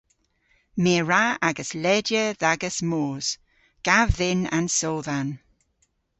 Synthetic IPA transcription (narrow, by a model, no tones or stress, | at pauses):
meːɹaaɡəslɛdjəðaɡəsmoːz̥ | ɡ̥avðɪna̰nsɔːðan